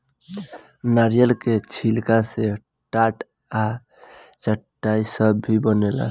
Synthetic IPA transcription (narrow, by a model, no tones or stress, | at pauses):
naɾijəlket͡ʃʰilkase | ʈaʈ | a | t͡ʃəʈːajsəbːʱibənela̰